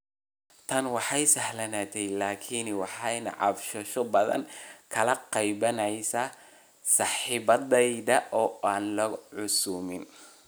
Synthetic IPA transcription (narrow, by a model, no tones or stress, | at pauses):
t̪ʰɐnwɑħɑjsɐhlɐnaːt̪ʰɛjlaːkʰinwɑħɑjnɐ̰ʕɑ̰bʃɐʃɔbɐðɐ̰ŋkʰɐlɐqɑjbɐnɛjsɐ | sɑːħɪbɐdɛjd̪ɐʔɔːʔaːnlɐʕʊsuːmɪn